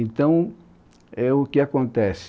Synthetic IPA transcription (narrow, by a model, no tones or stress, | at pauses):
ẽnt̪ɐ̃w̃ | ɛʊkɪakõnt̪ɛs